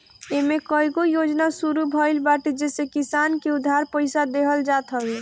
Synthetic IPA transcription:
emẽkɔjɡojod͡ʒnasuɾubʱɔjlbaʈid͡ʒesekisankeud̪ʱːaɾpəɪsad̪eɦəld͡ʒat̪ɦəbe

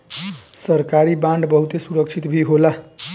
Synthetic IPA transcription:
sʌɾkaɾibãɳɖbʌɦut̪esuɾʌkt͡ʃʰit̪bʱiɦola

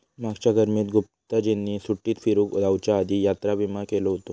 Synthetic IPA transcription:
maɡt͡ɕjaɡəɾmiːt̪ɡup̚t̪əd͡ʑenːiːsuʈːiːt̪fiɾuːkud̪awt͡ɕjaːd̪ijat̪ɾabimakeloɦot̪o

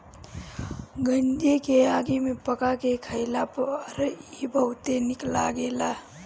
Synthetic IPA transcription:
ɡənd̪ekeaːɡimepəkakekʰəɪlapɾibʱəwt̪enɪklaɡeːla

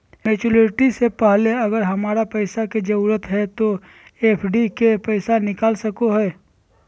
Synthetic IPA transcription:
meːt͡ʃuleʈisepaɦleɐɡəɾɦɐmaːɾapɐɪsaked͡ʒɐɾuːɾət̪ɦɛt̪o | eːpʰɖikepɛɪsanɪkaːlsɐkoɦɛː

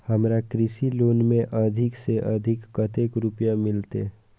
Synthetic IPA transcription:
hɐmɾakɾɪsiloːnmẽʔɐd̪ʱɪkseʔɐd̪ʱɪkːət̪eːkɾʊpjamɪlt̪e

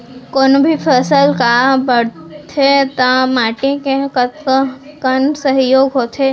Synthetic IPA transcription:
konbʱipʰəsəlkabəɽt̪ʰet̪amaːʈikekət̪kəkənsəɦjoːɡɦot̪ʰe

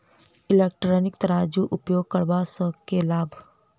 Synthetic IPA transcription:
ɪlek̚ʈɾɔːnɪk̚t̪ɐɾaːd͡ʒuʔʊpjoːɡ̚kəɾbasəkelaːbʱ

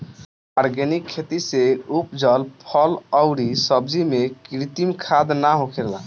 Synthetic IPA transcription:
aɾɡɛnikʰːet̪iseupd͡ʒəlpʰələʊɾisəbd͡ʒimekɾit̪imkʰad̪naɦokʰeɾla̰

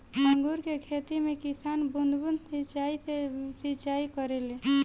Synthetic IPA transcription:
məŋɡuɾkekʰet̪imekisanbund̪ʱbund̪sit͡ʃaisesit͡ʃaikəɾele

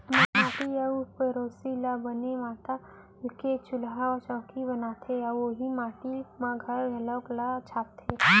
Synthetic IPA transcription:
mããːʈiɐupeɾoːsilabənemaːt̪a | ɪlket͡ʃʊlɦaɔt͡ʃɔːkibɐnaːt̪ʰeɐoɦimaːʈimãɡʱɐɾɐlɔːklat͡ʃʰaːt̪ʰe

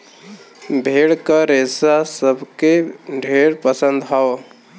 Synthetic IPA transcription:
bʱeːɽkaɾeːsasəbʱkeɖʱeːɽpəsə̃nd̪ɦaʋo

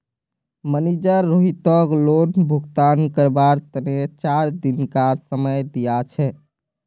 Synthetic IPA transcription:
mənid͡ʒəɾːoɦit̪ɔklonbʱuɡt̪ankəɾbaɾt̪ənet͡ʃaɾd̪inkasəməjd̪ijat͡ʃʰɛ

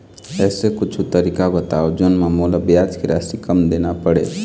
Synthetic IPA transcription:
ɛsekʊt͡ʃʰut̪əɾikabət̪aod͡ʒonmamoləbjad͡ʒkeɾasikəmd̪enapəɽḛ

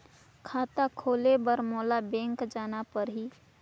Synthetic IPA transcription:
kʰaːt̪akʰoːlebəɾmɔːlabẽːŋkd͡ʒaːnapəɾɦiː

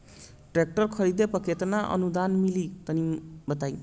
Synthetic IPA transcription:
ʈrek̚ʈʌrkʰʌɾid̪epʌket̪naʔʌ̰nud̪anmilit̪ʌnibʌt̪aj

